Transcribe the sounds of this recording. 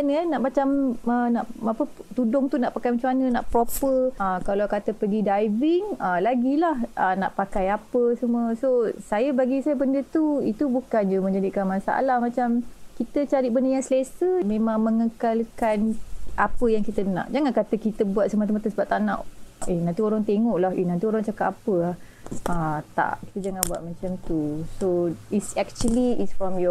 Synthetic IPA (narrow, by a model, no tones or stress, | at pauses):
anənaʔmat͡ʃamənaʔapət̪udʊŋt̪unaʔpakajmat͡ʃuanə̃naʔpɾopəəkalawkat̪əpəɡidajviŋəlaɡilahəna̰ʔpakajapəsəməsosajəbaɡisajəbəndət̪uit̪ubukand͡ʒumə̃ɲd͡ʒadikanmãsa̰a̰lahmãt͡ʃamkit̪ət͡ʃaɾiʔbəndəjaŋsəlesəmẽmãŋməŋəkalkanapəjaŋkit̪ənã̰ʔd͡ʒaŋankat̪əkit̪əbuat̪̚səmat̪əmat̪əsəbap̚t̪aʔnãʔenãnt̪ioɾaŋt̪eŋɔʔlaɦenãnt̪ioɾaŋt͡ʃakat̪apəah | at̪a̰ʔki̥t̪əd͡ʒaŋanbua̰ʔ̪̚mãt͡ʃamt̪usoisɛk̚t͡ʃəliisfɔmjɔ